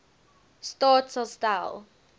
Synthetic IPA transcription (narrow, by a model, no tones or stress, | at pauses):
stɔtsɔstaɪlˠ